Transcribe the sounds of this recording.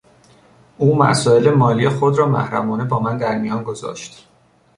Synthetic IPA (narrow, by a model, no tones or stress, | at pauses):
ʔuːmæ̰sɒːelemɒːliːexod̪ɾɒːmæ̰hɾæmɒːne̞bɒːmænd̪æɾmijɒːnɡo̞zɒ̰ːʃt̪